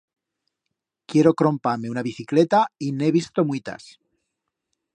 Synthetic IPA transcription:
kje̞ɾo̞kɾo̞mpaɾme̞unaβiθiklet̪aineβ̞ist̪o̞mwuit̪a̰s

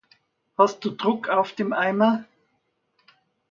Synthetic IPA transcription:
hast̚d̥uːdʁʊkʰaʊfd̥eːmʔaɪmɐ

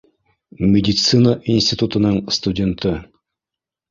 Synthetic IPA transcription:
mʲɪdʲɪt̪sɨnəʔinʲsʲtʲɪt̪ut̪ɤ̆nɤɴst̪udʲe̞nt̪ɤ

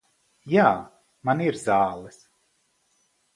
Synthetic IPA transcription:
jaː | maniɾzaːlˠɛs

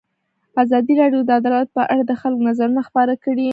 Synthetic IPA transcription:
azɑd̪iɾɑɖjod̪əad̪ɑlat̪̚pəʔaɽad̪əxalkonazaɾunaxpɑɾakəɽi

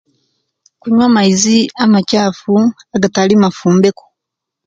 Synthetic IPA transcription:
kuɲwamaiziamacaːfu | aɡatalimafuːmbe̞ko̥

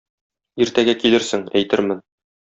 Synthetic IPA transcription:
iɾt̪æɡækilɘɾsɘŋæ̰jt̪ɘɾmɘn

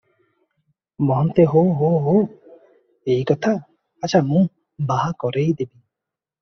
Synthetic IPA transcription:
bɔɦɔnt̪eɦoɦoɦo | ejkɔt̪ʰaː | t͡ʃʰamũ | baɦakɔɾejd̪ebi

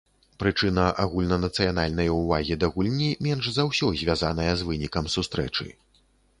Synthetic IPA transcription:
pɾɨt͡ʂɨnɐʔaɣulʲnɐnɐt̪sɨjanalʲnɐjɐuvaɣʲid̪ɐɣulʲnʲimʲɛnʐzawsʲɔzʲvʲazanɐjɐzvɨnʲikɐmsust̪ɾɛ̰t͡ʂɨ̰

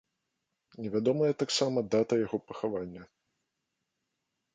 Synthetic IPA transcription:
nʲɛvʲad̪ɔmɐjɐt̪aksamɐd̪at̪ɐjaɣɔpɐxavanʲːɐ

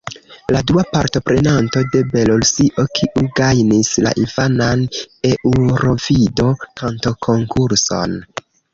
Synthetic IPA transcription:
laduapaɾto̞pɾe̞nanto̞de̞be̞lolsiʔo̞kʰiʔuɡajnisla̰ʔinfanane̞ʔuɾo̞vido̞kʰanto̞kʰo̞ŋkuɾso̞̰n

